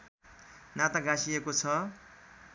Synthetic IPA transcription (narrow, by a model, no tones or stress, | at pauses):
nat̪aɡãsiekot͡sʰʌ